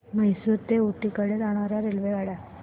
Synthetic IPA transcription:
məɦjsuɾt̪euʈikəɽet̪aɽ̃aɾjaɾelʋeɡaɽja

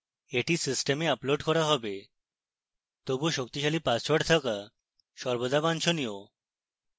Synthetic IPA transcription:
eʈisisʈemeaploɖkɔɾaɦɔbe | t̪obuʃok̚t̪iʃalipast͡ɕoɖt̪ʰaka | ʃɔɾbod̪ʱabant͡ɕʰonio

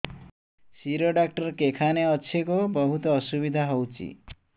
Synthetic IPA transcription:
siɾoɖak̚ʈʌɾkekʰaneʌt͡ʃʰekobʌɦut̪ɔːsubid̪ʱaɦʌwt͡ʃʰḭ

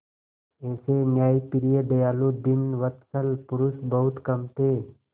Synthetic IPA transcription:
ɛːsenjaːipɪɾijed̪ɐjaːlod̪ɪnʋɐt̪səlpʊɾʊsbɐɦʊt̪kɐmt̪ʰeː

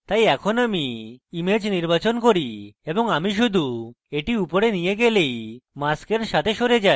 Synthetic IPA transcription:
t̪ajɛkʰonamiːmed͡ʑniɾbat͡ɕonkoɾiebɔŋamiʃ̬ud̪ʱu | eʈiupɔɾenijeɡelejmaskeɾʃat̪ʰeʃoɾed͡ʑa

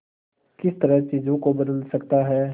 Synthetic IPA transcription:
kɪst̪əɾət͡ʃiːzõkobɐd̪əlsɐkt̪aɦɛː

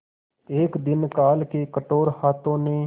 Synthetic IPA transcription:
eːkd̪ɪnkaːlkeːkəʈoːɾhaːt̪õːneː

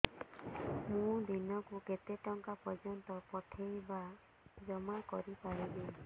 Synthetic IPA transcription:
mũd̪inɔkuket̪eʈɔŋkapɔd͡ʒɔnt̪ɔpɔʈʰejba | d͡ʒɔmakɔɾipaɾibe

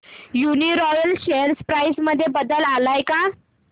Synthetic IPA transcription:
juniɾɔjəlɕeɾspɾajsməd̪ʱːjebəd̪əlalajka

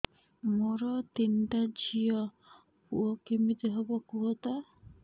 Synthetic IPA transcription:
moɾɔt̪inʈad͡ʒijɔ | pṵɔkemit̪eɦɔbɔkuɦɔt̪a

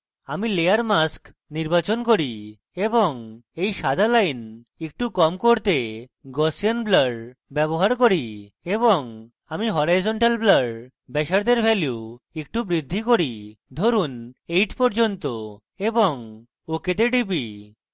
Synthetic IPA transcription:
amilejaɾmask | niɾbat͡ɕonkoɾi | eboŋejʃad̪ʱalajn | ek̚ʈukɔmkoɾt̪eɡɔsianblaɖbɛboɦaɾkoɾi | eboŋ | amiɦɔɾajzɔɳʈalblaɖ | bɛʃaɾd̪eɾbʱɛlju | ek̚ʈubɾid̪ʱːikoɾid̪ʱoɾunejʈpɔɾd͡ʑont̪o | eboŋ | oket̪eɖibi

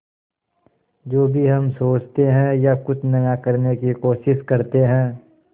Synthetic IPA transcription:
d͡ʒoːbʱiɦɐmsoːt͡ʃt̪eɦɛ̃jakʊt͡ʃʰnɐjakɐɾnekikoːʃɪʃkɐɾt̪eɦɛ̃ː

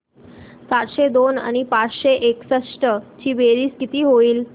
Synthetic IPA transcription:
sat̪ɕed̪ona̰ɽ̃ipat͡sɕeʔeksəʂʈət͡ɕiːʋeɾiːskit̪iːɦoiːl

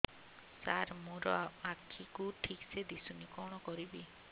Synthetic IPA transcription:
saɾmoɾɔakʰːikuʈʰiksed̪isunikɔɽ̃ɔkɔɾibi

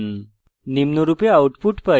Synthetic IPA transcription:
nimnuɾupeauʈpuʈpə

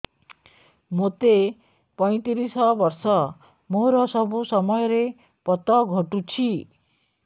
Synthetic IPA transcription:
mot̪e | pɔj̃t̪iɾisɔbɔɾsɔ | moɾɔsɔbusɔmɔjɔɾe | pɔt̪ɔɡʱɔʈut͡ʃʰi

